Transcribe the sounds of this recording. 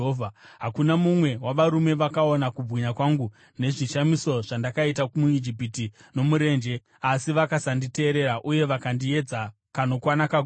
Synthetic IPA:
vʱaɦakunamumwe̞waʋaɾume̞ʋakao̞nakub͡vwiɲakwaŋɡu | ne̞ʐiʃamiso̞ʐ̥andakaitaumuid͡ʒip̬itino̞muɾe̞ːnd͡ʒe̞ | asiʋakasandite̞ːɾe̞ɾaʔuje̞ʋakandie̞d͡za | kano̞kwanakaɡ

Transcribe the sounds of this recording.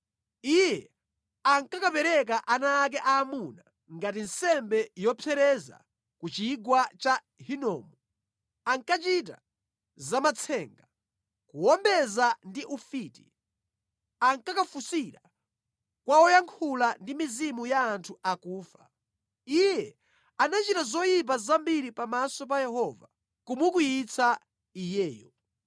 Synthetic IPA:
ijɛ | aŋkakapɛɾɛk̬aʔanaːk̬ɛʔaːmuna | ŋɡatin̩sɛmbɛjɔpʰɛɾɛza̰ | kut͡ʃiɡwat͡ʃa | ɦinɔ̰ːmɔ | aŋkat͡ʃita̰ | zamat͡sʰɛːŋɡa | kuwɔmbɛzandiʔufitḭ | aŋkakafusiɾa | kwaɔjaŋkʰulandimizimujaːntʰuakuːfa̰ | ijɛ | anat͡ʃitazɔjip̬azambiɾipamasɔp̬ajɛhɔva̰ | kumukujit͡sʰa | ijɛːjɔ

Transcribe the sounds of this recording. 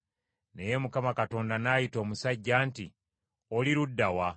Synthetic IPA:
ne̞je̞mukamakato̞ːndanaːjito̞ːmusaɟːaːnti | oliɾudːawa

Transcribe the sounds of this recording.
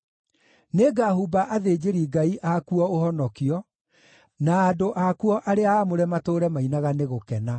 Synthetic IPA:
neɡahubaʔaðeːd͡ʑeɾiɡaiʔakuɔoɦɔnɔkiɔ | naːdoʔakuɔʔaɾeaːmoɾɛmatoːɾɛmainaɣaneɣokɛna

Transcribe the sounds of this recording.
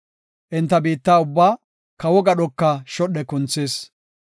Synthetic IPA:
ʔɪnt̪ːɐbiːt̪ːaːʊbːaː | kɐwɔɡɐɗɔkːɐʃɔɗɛkʊnt͡sːeːs

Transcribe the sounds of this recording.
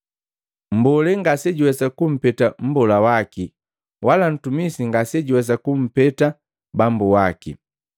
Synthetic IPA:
m̩bɔlɛŋɡasɛɟuwɛsakum̩pɛtam̩bɔlawaki | wʔalan̩tumisiŋɡasɛɟuwɛs̬akum̩pɛta | bambuwakḭ

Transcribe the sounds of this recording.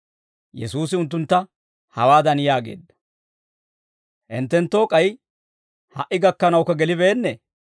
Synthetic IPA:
jɛsuːsɪʊnt̪ːʊnt̪ːɐ | hɐwaːd̪ɐnjaːɡe̞̰ːd̪ːɐ̥ | ʔɪnt̪ːɛnt̪ːoːkʼɐj | hɐ̰ʔɪɡɐkːɐnɐwkːɐɡɛlɪbeːnːɛ

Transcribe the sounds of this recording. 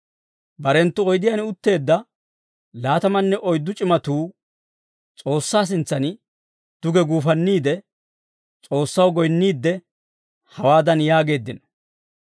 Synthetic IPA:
bɐɾɛnt̪ːʊɔjd̪ɪjanʊt̪ːe̞ːd̪ːɐ | laːt̪ɐmɐnːɛʔɔjd̪ːʊt͡ʃʼɪmɐt̪uː | t͡sʼo̞ːsːaːs̬ɪnt͡sːɐn | d̪̥ʊɡɛɡuːfɐnːiːd̪ɛ | t͡sʼo̞ːsːɐwɡɔjnːiːd̪ːɛ | hɐwaːd̪ɐnjaːɡe̞ːd̪ːɪnɐ

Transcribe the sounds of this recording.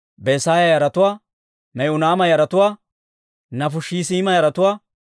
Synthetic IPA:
besaːjɐjɐɾɐt̪ʊwaː | mɛjʊnaːmɐjɐɾɐt̪ʊwaː | nɐfʊʃiːsiːmɐjɐɾɐt̪ʊwaː

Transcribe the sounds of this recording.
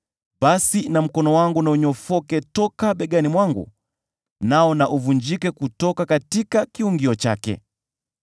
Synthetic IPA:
ɓasinam̩kɔnɔwaŋɡunauɲɔfɔkɛtɔkaɓɛɠanimwaŋɡṵ | naɔnaʔuvuɲd͡ʒikɛkutɔkakatikakiuŋɡiɔt͡ʃa̰kɛ̰

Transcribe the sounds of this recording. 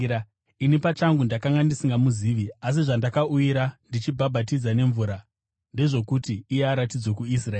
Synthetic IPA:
inipat͡ʃaŋɡundakaŋɡandisiŋɡamuziʋias̬iʐandakaujiɾandit͡ʃibʱabʱatid͡zane̞ɱvuɾa | nde̞ʐo̞kutiːjeaɾatid͡zwokuis̬raeː

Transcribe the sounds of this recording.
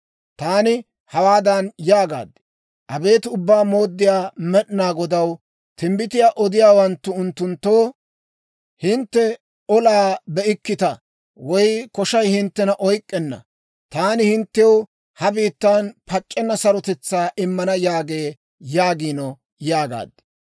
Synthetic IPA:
t̪aːnɪ | hɐwaːd̪ɐnjaːɡa̰ːd̪ːɪ̥ | ʔɐbe̞ːt̪ʊbːaːmo̞ːd̪ːɪjaːmɛɗnaːɡɔd̪ɐw | t̪ɪmbɪt̪ɪjaːʔɔd̪ɪjaːwɐnt̪ːʊʊnt̪ːʊnt̪ːo̞ː | hɪnt̪ːɛ | ɔlaːbɛɪkːɪt̪ɐ | wɔjkɔʃɐjhɪnt̪ːɛnɐʔɔjkʼːɛnːɐ̰ | t̪aːnɪhɪnt̪ːɛw | hɐbiːt̪ːaːnpɐt͡ʃʼːɛnːɐsɐɾɔt̪ɛt͡sːaːʔɪmːɐnɐjaːɡe̞ː | jaːɡiːnɔ | jaːɡa̰ːd̪ːɪ̥

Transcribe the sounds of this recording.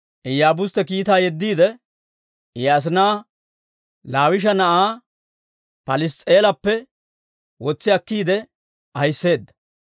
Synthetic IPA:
ʔɛjaːbʊst̪ɛkiːt̪aːjɛd̪ːiːd̪ɛ | ɪjaːs̬ɪnaː | laːwɪʃ̬ɐnɐʔaː | pɐlɪst͡sʼeːlɐpːɛ | wɔt͡sːɪɐkːiːd̪ɛ | ʔɐjsːe̞ːd̪ːɐ̥

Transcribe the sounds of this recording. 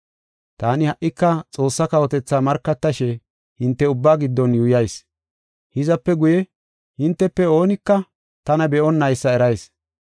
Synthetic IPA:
t̪aːnɪhɐʔːɪkːɐt͡sʼo̞ːsːɐkɐwɔt̪ɛt͡sːaːmɐɾkːɐt̪ːɐʃɛ | hɪnt̪ːɛʊbːaːɡɪd̪ːɔnjujɐjs | hɪzɐpːɛɡʊjɛ | hɪnt̪ːɛpːɛo̞ːnɪkːɐ | t̪ɐnɐbɛʔɔnːɐjsːɐɛɾɐjs

